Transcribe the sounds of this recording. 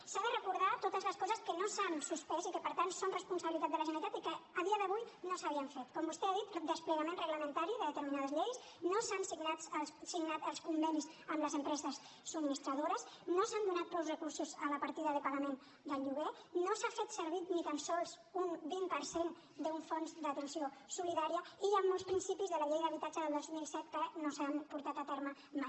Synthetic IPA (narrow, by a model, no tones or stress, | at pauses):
saðərəkuɾðat̪ot̪əzləskɔzəskənosansuspɛzikəpəɾt̪ansonrəspunsəβilit̪at̪ələʒənəɾit̪at̪ikəəð̞iəðəβujnosəβiəɱfet̪kɔmbust̪ɛaðit̪d̪əspləɣəmenrəɣləmənt̪aɾiðəðət̪əɾminaðəzʎejs | nosansiɡnassiɡnat̪əlˠskumbɛnisəmləzəmpɾɛzəsː | uminist̪ɾəðoɾəsnosand̪unat̪̚pɔwzrəkuɾsuzələpəɾt̪iðəːðəkwaðəmen | d̪əlˠʎuɣe | nosafet̪səɾβit̪nit̪ənsɔlˠz | unbimpəɾsen | d̪əuɱfonzd̪ət̪ənsiosuliðaɾiəiʒamːolˠspɾinsipizðələʎejðəβit̪ad͡ʒəðəlˠd̪ozmilˠsɛt̪kənosampuɾt̪at̪ət̪eɾmə | maj